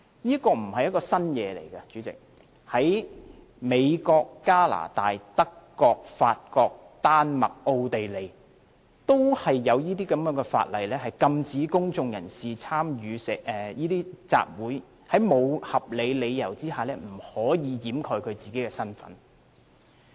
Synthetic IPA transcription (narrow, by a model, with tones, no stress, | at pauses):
jiː˥kɔː˧m̩˨˩hɐ˨jɐ˥kɔː˧sɐ˥njɛː˨˧lḛ˨˩jkɐ˧t͡ʃyː˨˥t͡sɪ̰˨k̚ | hɐ˨˥j | me˨˧jkɔː˧kːaː˥la̰ː˨˩t̪a̰ː˨jt̪ɐ˥kːɔː˧k̚faː˧t̚kɔː˧k̚ | t̪aː˥nmɐ̰˨k̚ʔo˧wt̪e˨jle˨˩j | t̪o˥whɐ˨jːɐ˨˧wjiː˥t̪iː˥kɐ˨˧˥mjœː˨˥ŋɡɛ˧fa̰ː˧t̚lɐ˨jlɛː˥ɦɐ˨jkɐ˧mt͡siː˨˥kʊ˥ŋt͡sʊ˧ŋjɐ˨˩nsiː˨t͡sʰaː˥mjyː˨˧sɪ˨kɛ˨jiː˥t̪iː˥t͡sa̰ː˧p̚wuː˨˥j | hɐ˨˥jmo˨˧whɐ˨p̚le˨˧jle˨˧jjɐ˨˩wt͡siː˥haː˨lɛː˥m̩˨˩hɔː˨˥jiː˨˧jiː˨˥mkʰɔː˨˧jkʰɵ˨˧ɥt͡siː˨ke˨˥jkɛː˧sɐ˥nfɐ̰˨˥n